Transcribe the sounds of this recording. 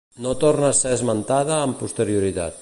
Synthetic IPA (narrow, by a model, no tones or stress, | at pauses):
not̪oɾnaːseəzmənt̪að̞əːmpust̪əɾiuɾit̪a̰t̪̚